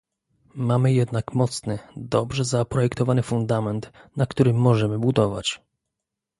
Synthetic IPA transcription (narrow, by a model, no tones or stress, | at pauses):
mamɘjɛd̪nakmɔt̪snɘd̪ɔbʐɛzapɾɔjɛkt̪ɔvanɘfund̪amɛnt̪nakt̪uɾɘmːɔʐɛmɘbud̪ɔva̰t͡ɕ